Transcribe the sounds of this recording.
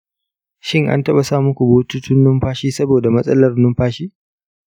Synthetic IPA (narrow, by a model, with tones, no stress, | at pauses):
ʃɪ˦˨ŋʔa̰˦ntɐ˦ɓa˨saː˦˨mʊ˦kʷu˨boː˦tu˦tʰʊ˦nːʊ˦mɸaː˦ʃiː˦sɐ˦boː˨da˨mɐ˦sʼɐ˦lɐ˨rnʊ˦mɸaː˦ʃiː˦